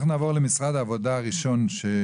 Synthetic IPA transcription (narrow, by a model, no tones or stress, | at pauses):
χnaːvo̞ʁlemisʁad̪aːvo̞d̪aːʁiʃo̞nʃe